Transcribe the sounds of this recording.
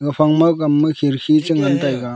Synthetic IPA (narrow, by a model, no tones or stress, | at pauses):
ɡɯpʰaŋmakamːɯkʰiɾkʰit͡ʃɯŋantajɡa